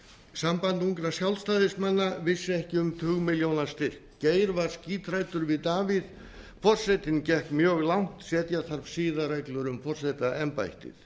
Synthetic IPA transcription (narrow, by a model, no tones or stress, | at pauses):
sampant̪uŋkɾasjawlst̪aːðɪsmanːavɪsːɪɛhcɪʏmt̪ʰʏːɣmɪljownast̪ɪr̥kceːjɾvaɾ̥sciːt̪ʰɾajt̪ʏɾvɪðt̪aːvɪð | fɔr̥sɛjt̪ɪncɛhkmjœːɣlawŋ̥t̪sɛːt̪jaθaɾvsiːðaɾajklʏɾʏmfɔr̥sajt̪aʔɛmpa̰jht̪ɪ̰θ